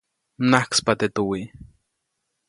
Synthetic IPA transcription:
nahkspat̪et̪uwi

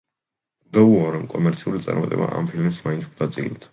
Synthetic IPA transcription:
d̪ɔuɔɾɔmkʼɔmɛɾt̪sʰiulit̪sʼa̰ɾmat̪ʼɛ̰ba̰ʔampʰilmismaint̪ʰkʰd̪at̪sʼḭlɛt̪ʰ

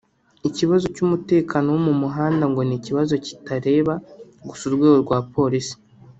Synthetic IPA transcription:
iciβazo̞cumute̞ːkʰaːno̞wumumuɦaːndaŋɡo̞niciβazo̞ci̥taɾe̞ːβa | ɡusuɾɡwe̞ːɡoɾɡwaːpʰo̞ɾisi̥

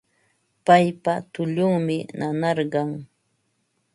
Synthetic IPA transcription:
pajpat̪ʊʎʊŋmɪnʔanɑɾɢɑŋ

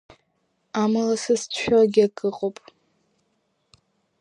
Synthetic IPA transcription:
amalasɨst͡ɕʰʷᶣaɡʲakʼɨqʼopʼ

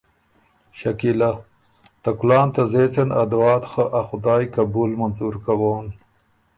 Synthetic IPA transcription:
ɕakila | t̪ɐkulɑːnt̪azet͡senʔa̰d̪wɑːt̪xəʔaxʊd̪ɑːjkabuːlmanzuɾkawoːn

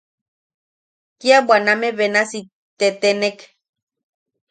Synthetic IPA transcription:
kiabwanameβenasi | t̪et̪enek

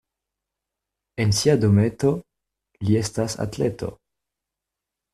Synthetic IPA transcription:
ensiadometo | liestasa̰tletʰo̰

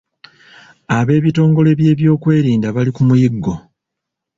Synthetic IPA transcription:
aβe̞ːβito̞ːŋɡo̞le̞βje̞ːβjo̞ːkwe̞ːɾiːndaβalikumujiɡːo̞

